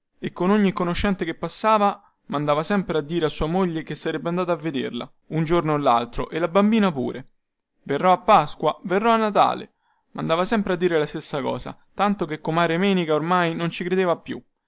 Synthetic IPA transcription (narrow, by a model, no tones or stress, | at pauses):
ekːonoɲːikːonoʃːɛnt̪ekepːasːaːva | mand̪aːvasɛmpɾead̪ːiːɾeasːuːamoʎːekesːaɾɛbːeand̪aːt̪avːed̪ḛrla̰ | und͡ʒornoalalt̪ɾo̰ʔelːabambiːnapuːɾe | verːɔapːaskwaverːɔanːat̪a̰ːlḛ | ma̰nd̪aːvasɛmpɾead̪ːiːɾelast̪esːakɔ̰ːza̰t̪ant̪okekːomaːɾemɛːnikaormajnont͡ʃikɾed̪eːvapjṵ